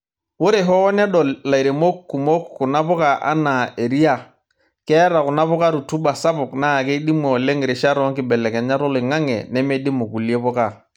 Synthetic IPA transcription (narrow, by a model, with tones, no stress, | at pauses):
wo˦ɾe˨ɦɔ˦nɛ˦ɗɔ˨lla˨i˨ɾe˨mo˦kkːu˨mo˦kku˨na˦pʊ˦ka˨ʔa̰˦na˨e˨ɾi˦a˦ | kɛ˦ɾa˨kʊ˨na˦pʊ˦ka˦ɾu˨tu˦ba˨sa˦pʊ˨kna˦˨ke˦di˦mo˨le˦ŋ˨ɾe˨ʃa˦ɾɔ˦ŋkɪ˨bɛ˨lɛ˨kɛ˨ɲa˦ɾɔ˦lɪ˨ŋa˦ŋɛ̰˨nɛ˦me˦di˦mu˨ku˨li˦e˦pɔ˦ka˨